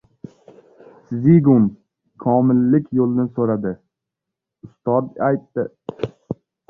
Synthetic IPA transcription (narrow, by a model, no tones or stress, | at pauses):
sziɡʊm | kʰɒmɪlːɪkʲʰjolˠnɪsoɾad̪ɪ | ʊst̪ɒd̪ajt̪ːɪ